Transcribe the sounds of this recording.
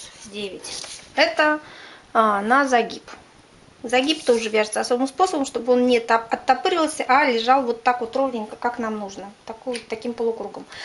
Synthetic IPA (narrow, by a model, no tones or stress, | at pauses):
dʲevʲɪtʲɛt̪ə | nazaɡʲip | zaɡʲipt̪o̞ʐɨvʲaʐɨt̪səɐso̞bɨmspo̞səbəmʂt̪o̞bɨo̞nnʲɪt̪aɐt̪ːapɨɾʲɪlˠsʲəʔalʲɪʐɑlˠvo̞t̪ːakvot̪ɾo̞vnʲɪnʲkaknamnuʐnət̪akvot̪ːɐkʲimpəlˠʊkɾuɡəm